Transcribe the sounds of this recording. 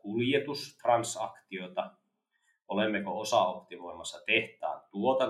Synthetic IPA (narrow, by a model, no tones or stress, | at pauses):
kuljet̪ust̪rɑnsɑ̰kt̪iot̪ɑ | olemːekoosɑ̰opt̪imoimɑsːɑt̪eht̪æ̰ːnt̪uot̪ɑ